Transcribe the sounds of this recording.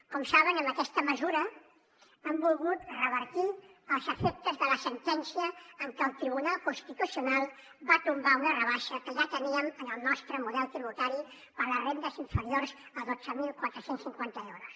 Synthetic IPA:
kɔmsaβənəmbəkɛst̪əməzuɾə | əmbulˠɣut̪rəβəɾt̪iəlˠzəfɛk̚t̪əzðələsənt̪ɛnsiəːŋkəːlˠt̪ɾiβunalˠkunst̪it̪usiunalˠ | bat̪umbaunərəβaʃəkəʒat̪əniəmənəlˠnɔst̪ɾəmuðɛlˠt̪ɾiβut̪aɾi | pəɾlərend̪əziɱfəɾiorzəðo̥d͡zəmilˠkwat̪ɾəsensːiŋkwant̪əɛwɾos

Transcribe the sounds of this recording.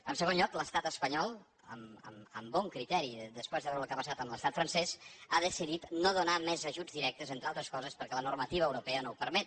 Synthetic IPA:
əmsəɣ̞onʎɔkləst̪at̪əspəɲɔlˠ | ə̰mə̰mə̰mbɔŋkɾit̪ɛɾiðəspwezðəβɛɾulˠkapəsat̪əmləst̪at̪fɾənsɛzaðəsiðit̪noðunamɛzəʒud͡zðiɾɛk̚t̪əzent̪ɾalˠt̪ɾəskɔzəspəɾkɛlənurmət̪iβəːwɾupɛənowpəɾmɛt̪̚

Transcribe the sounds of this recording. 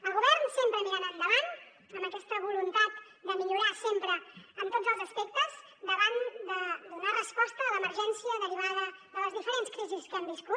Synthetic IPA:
əlˠɣuβɛrnsempɾəmianand̪əlan | ənəkɛst̪əβulunt̪at̪ | d̪əmiʎuɾasempɾəənt̪od͡zəlˠzəspɛk̚t̪əz | d̪əβand̪əd̪unarəspɔst̪əːləməɾʒɛnsiəðəɾiβ̞að̞əðələzðifəɾenskɾiziskambisku

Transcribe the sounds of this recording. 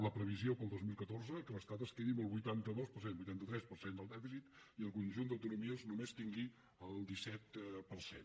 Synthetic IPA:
ləpɾəβ̞iziopəlˠd̪ozmilˠkət̪orzəkələst̪at̪əskeðiməlˠβujt̪ant̪əðospəɾsenbujt̪ant̪ət̪ɾɛspərsend̪əlˠd̪ɛfisit̪iəlˠkunʲʒund̪əwt̪unumiəznumest̪iŋɡi | əlˠd̪isɛt̪pərsḛn

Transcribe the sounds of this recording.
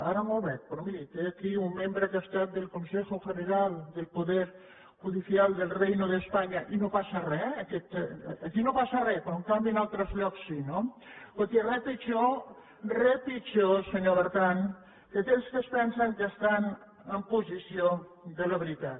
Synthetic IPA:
aɾəmolβɛk̚pɾomiɾit̪eːkiumːembɾəkast̪at̪̚d̪elkunsexofeðeɾalˠd̪elˠpuðɛɾ | ʝuðiθialˠd̪elˠrejnoðespaɲaʔinopasarɛəkɛt̪ːkinopasarɛpɾɔŋkambinalˠt̪ɾəzʎɔksːinokot̪irɛpit͡ʃo | rɛpit͡ʃoseɲoβəɾt̪an | ket̪elskespɛnsəŋkəst̪an | əmpuzisiod̪eləβeɾit̪at̪

